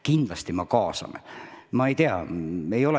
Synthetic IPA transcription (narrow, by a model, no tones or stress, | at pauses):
kind̪̥lɑst̪imɑkɑːsɑ̰mmɑe̞jt̪eɑ̰e̞jo̞le